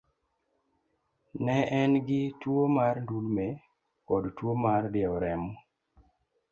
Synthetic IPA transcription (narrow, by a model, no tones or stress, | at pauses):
nɛɛnɡɪtwomaɾndulme | kɔdtwomardɪɛɔɾɛmɔ